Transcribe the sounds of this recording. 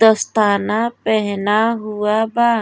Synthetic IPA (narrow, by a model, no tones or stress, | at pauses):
d̪əst̪ʰanapɛɦnaɦuaba